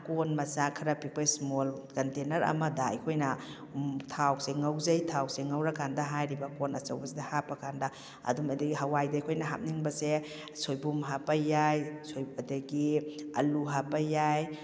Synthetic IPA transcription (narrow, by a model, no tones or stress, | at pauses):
konmɐsakʰiɾapik̚pajsmolkɐntenɐɾɐ̰mɐdaɐ̰jkʰojnɐ | tʰawseŋawzajtʰawseŋawɾakandaɦajɾibakonɐ̰t͡ʃɐwbɐsedɐhapakʰanda | ɐ̰dumadaɡiɦawajdajkʰojnɐɦa̰p̚niŋbɐse | sojbumɦapajajsojbadeɡiɐ̰luɦapajaj